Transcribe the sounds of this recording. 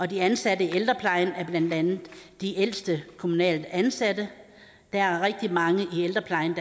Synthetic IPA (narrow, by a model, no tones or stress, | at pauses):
ɒ̽d̥iænsædəield̥ʁɐpʰlɑ̈ɪnæɐb̥lænd̥ænð̩ˠd̥iʔel̰sd̥əkʰo̝munɛ̰ːld̥ænsæd̥ə | d̥ææɐʁeɡ̥̚d̥imɑ̈ŋəʔield̥ʁɐpʰlɑ̈ɪnd̥